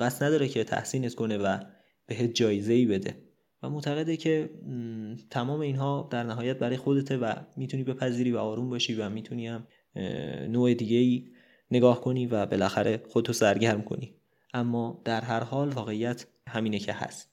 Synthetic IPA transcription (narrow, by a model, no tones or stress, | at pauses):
ɢ̥æsnæd̪ɒːɾecʰe̞t̪ʰæ̰hsiːnet̪kʰo̞ne̞væ | b̥e̞ɦeːt̪̚d͡ʒɒːjeze̞iːbe̞d̪e̞̰ | væmoʔt̪ʰæɣe̞d̪ecʰe̞ | t̪ʰæmɒːme̞iːnɦɒːd̪̥æɾnæɦɒːjæt̪̚bæɾɒːjexo̞d̪et̪ʰevæ̰miːt̪ʰuniːbe̞pʰæziːɾiːvæɒːɾuːmbɒːʃiːvæmiːt̪ʰuniːhæm | noːe̞d̪iːɟe̞iː | ne̞ɡɒːhkʰo̞niːvæbe̞læxæɾʔe̞xod̪et̪ʰosæɾɟæɾmkʰo̞̰ni | ʔæmːɒːd̪̥æɾɦæɾɦɒːlvɒːɣe̞ijæt̪ʰ | hæmiːnecʰe̞hæ̰st̪